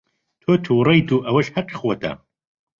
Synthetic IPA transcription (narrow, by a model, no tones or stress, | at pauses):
t̪ʰoːt̪ʰuːrɐjt̪ʰuːʔɐwɐʃhɐqi̥xot̪ɐ̰